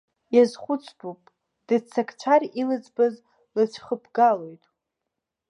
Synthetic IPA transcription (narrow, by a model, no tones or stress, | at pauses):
jazχʷʊt͡sʰʼdupʼ | d̥ɨt͡sʰːakʰʼt͡ʃʷʰarilɨd͡zʼbaz | lɨt͡ʃʷʰχəpʰɡalo̞jtʼ